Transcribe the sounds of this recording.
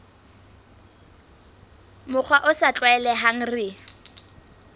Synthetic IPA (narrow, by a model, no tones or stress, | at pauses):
mʊk͡xʰwaʔʊsat͡ɬʼwɛlɛɦaŋ̩rɪ